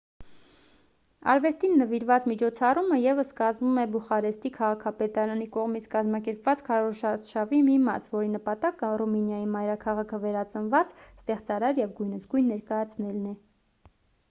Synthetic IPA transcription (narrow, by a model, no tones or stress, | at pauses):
ɑ̰ɾvɛst̪inːəviɾvɑt͡smit͡ʃʰɔt͡sʰɑruməjɛvəskɑzmumɛbuχɑɾɛst̪ikʰɑʁɑkʰɑpɛt̪ɑɾɑnikɔʁmit͡sʰkɑzmɑkɛɾpvɑt͡skʰɑɾɔʃɑʃɑvimimɑ̰svɔɾinəpɑt̪ɑkəruminjɑjimɑjɾɑkʰɑʁɑkʰəvɛɾɑt͡sənvɑt͡sst̪ɛχt͡sɑɾɑɾjɛvɡujnəsɡujnːɛɾkɑjɑt͡sʰnɛlnɛ